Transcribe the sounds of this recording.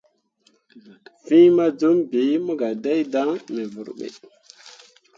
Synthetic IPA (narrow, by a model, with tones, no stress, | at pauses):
vi˦ma˦d͡ʒu˦mbi˨˦mu˦ɡa˨da˦jda˦ŋme˨vu˨ɾɓḛ˨